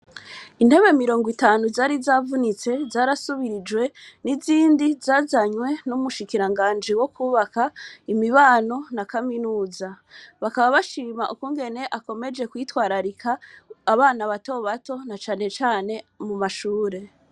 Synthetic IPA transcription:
in̥e̞βe̞miɾo̞ːŋɡwitaːnuzaːɾizaːvunit͡se̞zaːɾasuβiɾid͡ʒwe̞niziːndizaːzaɲwe̞numuʃikiɾaŋɡaːnd͡ʒiwo̞kuːβakaimiβaːno̞nakaminuːza | βakaβaβaʃiːmaʔukuŋɡe̞ne̞ʔako̞me̞d͡ʒe̞kwiːtwaːɾaɾikʰaːβaːnaβato̞βato̞nat͡ʃaːne̞t͡ʃaːne̞mumaʃuːɾe̞

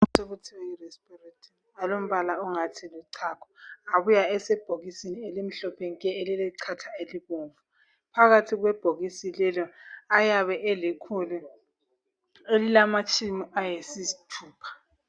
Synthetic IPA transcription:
teβutʰiwirɛspiretʰʼin | alom̩βalauŋatʰiluǀʰakʰɔ̥aβujaɛsɛb̥ʱoɣisinielim̩ɬɔpʰeŋkʼɛelilɛǀʰatʰaeliɣoːɱvu | pʰaɣatʰiɣwɛb̥ʱoɣisilɛlɔajaβɛʔɛlikʰulu | elilamat͡ʃʼimiʔajesizitʰuːpʰḁ

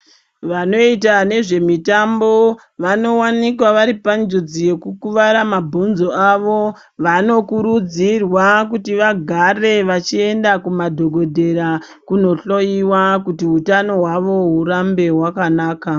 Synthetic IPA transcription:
ʋano̞it̬ane̞ʐe̞mitambo̞ | ʋano̞wanikwaʋaɾipand͡ʒud͡zije̞kukuʋaɾamabʱonzo̞aʋo̞ | ʋano̞kuɾud͡zirwakutiʋaɡʱare̞ʋat͡ʃie̞ndakumadʱo̞ɡʱo̞dʱe̞ɾa | kuno̞ɬo̞iwakutiɦutano̞ɦwaʋo̞ɦuɾambe̞wakanaːka

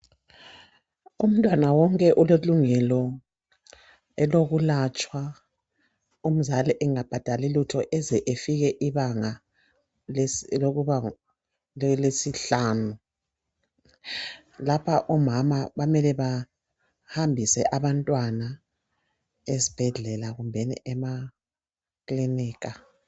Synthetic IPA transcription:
um̩tʼwanawɔŋkʼɛʔuleluŋɛlɔ | ɛloɣulat͡ʃʼwa | um̩zalɛʔɛŋab̥ʱad̥ʱalilutʰɔʔɛzɛʔefiɣɛʔiβaŋa | a | lesiɬaːnu | lapʰaʔɔmamaβamɛlɛβa | hambʱisɛʔaβantʼwana | ezib̥ʱɛɮɛlaɣumbʱɛnḭʔɛma | kʼliniːka

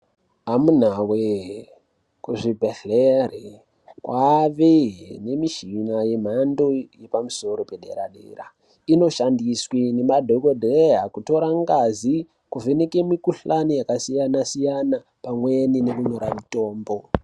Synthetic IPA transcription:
ɦamun̤awe | kuʐibʱeɬere | kwaʋene̞miʃinaje̞m̤ando̞je̞pamuso̞ɾo̞pe̞ɗḛɾa̰ɗḛːra̰ | ino̞ʃandiswinemadʱoɡodʱeɦakuto̞ɾaŋɡazi | kuve̞ne̞kemikuɬanijakasijanasijana | pamwe̞ninekuɲo̞ɾamito̞ːmbo̞

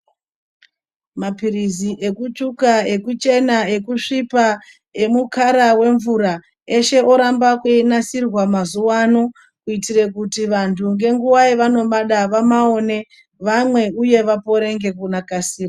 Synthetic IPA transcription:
mapiriziʔe̞kut͡ʃukae̞kut͡ʃe̞nae̞kuʂipa | e̞mukʰaɾawe̞ɱvuɾa | e̞ʃe̞ʔo̞ɾambakweinasirwamazuwano̞ | kuitire̞kutiʋantʰuŋɡe̞ŋɡuwaiʋano̞ɓaɗaʋamao̞ne̞ | ʋamwe̞uje̞ʋapo̞ɾe̞ŋɡe̞kunakasiːrwa

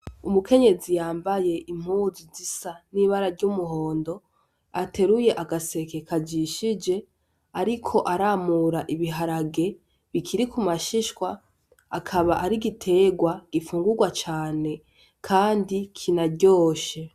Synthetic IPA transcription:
umuke̞ɲe̞zijaːmbaje̞ʔim̥huzizisaniβaɾaɾɟumuɦo̞ːndo̞ | ate̞ɾuje̞ʔaɡase̞kekʰad͡ʒiʃid͡ʒe̞ | aɾikʰo̞ʔaɾamuɾaʔiβiɦaɾaɡe̞ | βikʰiɾikumaʃiʃkwaː | kʰaβaʔaɾiɡitʰe̞ːɡwaɡ̥ifuːŋɡuɡwat͡ʃaːne̞ | kʰaːndikʰinaɟo̞ːʃe̞

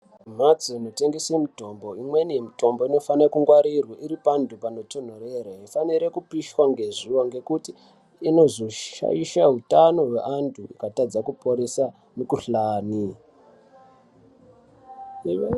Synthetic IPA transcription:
m̤at͡siino̞te̞ŋɡesemito̞mbo̞imwe̞nimito̞mbo̞ino̞fanakuŋɡwaɾirwaʔiɾipandʱupano̞ton̤oreɾaɦifaniɾe̞kupiʃwaŋɡe̞ʐuwoŋɡe̞kutiː | no̞zoʃa̰jiʃaɦutano̞wḛʔantʰuikatad͡zakupoɾesa | nekuɬaːni

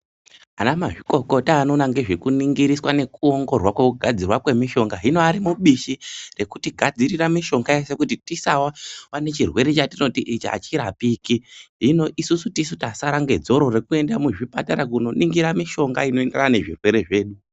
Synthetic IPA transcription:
anamaʐiko̞ko̞taːno̞naŋɡe̞ʐekuniŋɡiɾiswane̞kuo̞ŋɡo̞rwakwe̞kuɡʱad͡zirwakwe̞miʃo̞ŋɡaɦino̞aɾimuɓiʃire̞kutiɡʱad͡ziɾiramiʃo̞ŋɡae̞se̞kutitisawawane̞t͡ʃirwe̞ɾe̞t͡ʃatino̞tiʔit͡ʃa̰t͡ʃiɾapikiɦino̞ʔisusutisutasaɾaŋɡe̞d͡zo̞ɾo̞re̞kue̞ndamuʐipataɾakuno̞nʔiŋɡiɾamiʃo̞ŋɡa̰ino̞endeaane̞ʐḭrwe̞ɾe̞ʐe̞ːɗu

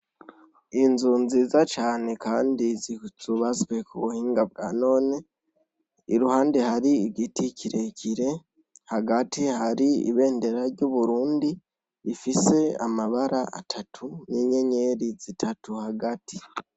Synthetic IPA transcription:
inzunziːzat͡ʃaːne̞kaːndiziz̥uβazɡwe̞kʰuβuhiːŋɡab̚ɡa̰no̞ːne | iɾuhaːndehaɾiːɡiticʰiɾecʰiɾe̞ | haɡatʰihaɾiḭβe̞ːnde̞ɾaɾɟuβuɾuːndi | ifise̞amaβaɾaa̰tʰatʰuniɲe̞ɲe̞ɾiz̥itʰatuhaɡatʰi̥

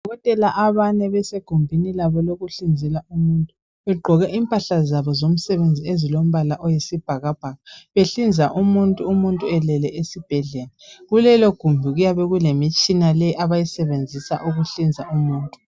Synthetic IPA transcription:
dʱdʱɔɣɔtʼɛlaʔaβanɛβɛseɡ̥ʱumbʱinilaβɔloɣuɬind͡zʱilaumuːntʼu | βɛɡ͡ǃʱɔɣɛʔimpʼaɬazaβɔzom̩sɛβend͡zʱiezilom̩βalaʔɔjesib̥ʱaɣab̥ʱaɣaβeɬind͡zʱaʔumuntʼuːmuntʼuɛlɛlɛʔesib̥ʱɛɮɛːlaɣulɛlɔɡ̥ʱumbʱiɣujaβɛɣulemit͡ʃʼinalɛjiʔaβajisɛβend͡zʱisa̰ʔuɣuɬind͡zʱaʔumuːntʼu

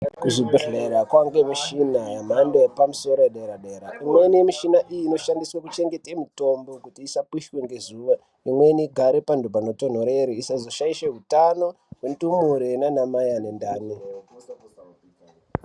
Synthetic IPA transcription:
kuʐibʱeɮeɾakwaŋɡemiʃinajam̤andoepamuso̞ɾoeɗeɾaɗeːɾaʔimwenimiʃinaʔijiːno̞ʃandiswakut͡ʃe̞ŋɡe̞temito̞mbo̞kutiːsapwiʃweŋɡe̞zuːʋa | imwe̞niɡʱaɾepandobʱano̞ton̤oɾeɾiisazo̞ʃaiʃeɦutano̞ | wentumuɾenanamajane̞ndaːni

